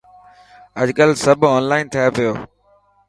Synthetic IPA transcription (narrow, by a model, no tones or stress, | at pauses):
əʄkəlsəbʱɔːnlaːɪnt̪ʰɐjapɪjoː